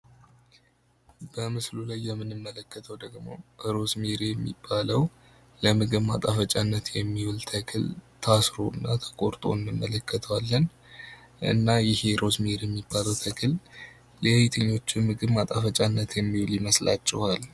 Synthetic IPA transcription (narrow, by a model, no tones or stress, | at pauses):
b̥əmɨslulajːɛmːɨnɨmːələkːət̪ʰəwd̪əɡmo̞̰ʔɨɾo̞smeɾjɛmːḭbːaləw | ləmɨɡɨβma̰t̪ʼafət͡ʃʼanːət̪jɛmːiwult̪ʰəkʰɨlt̪ʰasɾo̞ɨnːat̪ʰə̥kʼo̞ɾt̪ʼo̞̰ɨnːɨmːələkːət̪ʰəwalːən | ʔɨ̰nːajɪheɾʔo̞smiɾjɛmːibːaləwt̪ʰəkʰɨlː | ejajɪt̪ʰəɲːo̞t͡ʃːɪmɨɡɨβmat̪ʼafət͡ʃʼanːət̪jɛmːiwljiməsla̰t͡ʃːɛ̰hal